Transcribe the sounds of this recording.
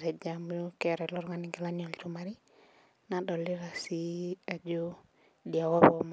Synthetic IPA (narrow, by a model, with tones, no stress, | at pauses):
ɾɛ˨d͡ʒamu˦jo˦kɛɾɛlɔ˦ɾŋaniɡe˨lanjɔ˨lt͡ʃumaɾi˦ | naɗɔ˨li˦ɾa˨sia˨d͡ʒo˦ | dia˨wɔ˦bɔm